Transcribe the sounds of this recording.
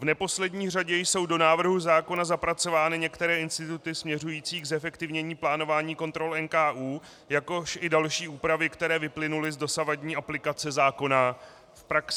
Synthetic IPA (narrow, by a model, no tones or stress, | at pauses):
vnɛpo̞slɛdɲiːr̝aɟɛjso̞wdo̞naːvr̩ɦuzaːko̞nazapɾat͡so̞vaːnɪɲɛkt̪ɛɾɛːɪnst̪ɪt̪ut̪ɪsmɲɛrujiːt͡siːɡzɛfɛkt̪ɪvɲɛɲiːplaːno̞vaːɲiːko̞nt̪ɾo̞lɛnkaːʔuː | jako̞ʃɪdalʃiːuːpɾavɪkt̪ɛɾɛːvɪplɪnulɪzdo̞savadɲiːʔaplɪkat͡sɛzaːko̞na | fpɾaksɪ